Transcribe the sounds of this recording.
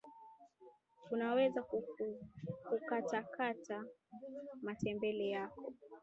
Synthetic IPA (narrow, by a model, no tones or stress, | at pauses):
unawɛzaku | kukatakata | matɛmbɛlɛjakɔ